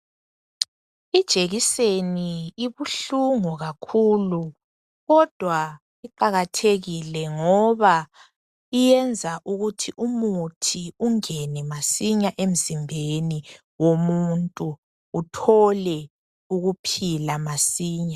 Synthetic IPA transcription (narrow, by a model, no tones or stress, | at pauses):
id̥ʒ̥ʱeɣiseniiβuɬuŋɔɣakʰuːlu | ɣɔd̥ʱwa | iǃaɣatʰeɣilɛŋɔβa | ijɛnd͡zʱaʔuɣutʰiʔumutʰiuŋɛnɛmasiɲaʔem̩zimbʱeni | womuntʼuː | tʰɔlɛ | uɣupʰilamasiːɲa